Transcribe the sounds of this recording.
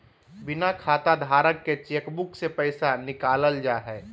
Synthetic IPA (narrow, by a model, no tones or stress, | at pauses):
bɪnakʰaːt̪ad̪ʱaːɾəkːet͡ʃeːkbʊksepəɪsanɪkaːləld͡ʒaːɦɛː